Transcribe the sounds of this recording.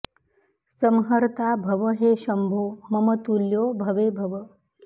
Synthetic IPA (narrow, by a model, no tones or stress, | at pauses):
səmɦəɾt̪aːbʱɐʋəɦeːʃɐmbʱoːmɐmət̪uljoːbʱɐʋeːbʱɐʋə